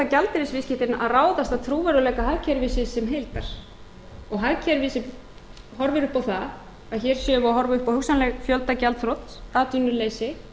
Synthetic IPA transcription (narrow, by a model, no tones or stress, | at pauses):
acalt̪ɪɾɪsvɪscɪht̪ɪnʔaðraːwðast̪aðt̪ʰɾuːvɛɾʏlɛːkaɦaðcʰɛɾvɪːsɪsɛmɦejlt̪a̰ɾ̥ | ɔɣɦacʰaɾvɪsɪ | ɦɔɾvɪɾʏhpawθa | aðçɛɾ̥sjœːvʏaɦɔɾvaʏhpawhʏksanlɛɣfjœlt̪acalt̪θɾowt̪aːt̪ʏnːʏleːjsɪ